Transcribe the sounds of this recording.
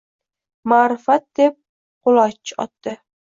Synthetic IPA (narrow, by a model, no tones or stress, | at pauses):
maːɾɪfat̪̚d̪ep̚ | qʊlˠɒt͡ʃʰːɒ̰t̪ːɪ